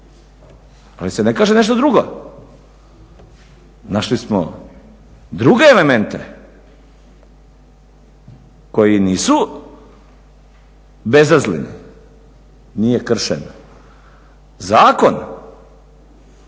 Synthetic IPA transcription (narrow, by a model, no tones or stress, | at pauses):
alisenekaːʒeneʃ̬t̪od̪ɾuɡo | naʃlismo | d̪ɾuɡeːle̞ment̪ḛ | ko̞jiniːsu | be̞zazlinḭ | nijekr̩ʃḛn | zaːko̞n